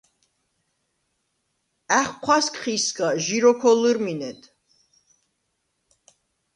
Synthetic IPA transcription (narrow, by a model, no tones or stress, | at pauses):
æχqʷʰwaskʰʼχiskaʒiɾɔkʰɔlɨɾminɛt̪ʰ